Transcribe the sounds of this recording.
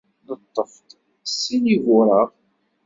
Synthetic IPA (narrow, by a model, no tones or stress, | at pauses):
nət̪ˤːəft̪ | sːiniɣʊɾˤɑʁ